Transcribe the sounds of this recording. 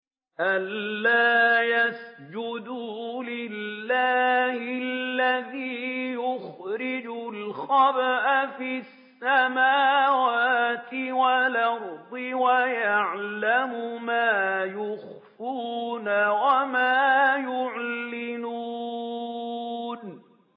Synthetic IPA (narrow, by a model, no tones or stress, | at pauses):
ʔalːaːjasd͡ʒʊd̪ulɪlːaːhɪllːaðiːjʊxɾɪd͡ʒʊlxɑbʔafisːamaːwaat̪ɪwalɑɾˤd̪ˤɪwajaʕlamʊmaːjʊx | fuːnawamaːjʊʕlɪnuː | n